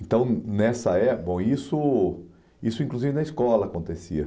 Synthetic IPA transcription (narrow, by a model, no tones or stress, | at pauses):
ẽnt̪ɐ̃w̃nɛsɐɛbõw̃isʊ | isʊĩŋkluzivɪnɐiskɔlɐːkõnt̪esiɐ